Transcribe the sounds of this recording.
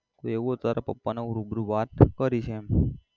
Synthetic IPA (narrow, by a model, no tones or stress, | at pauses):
koeʋuɦot̪aɾapəpːanauɾubɾuʋat̪kəɾiʃʰeem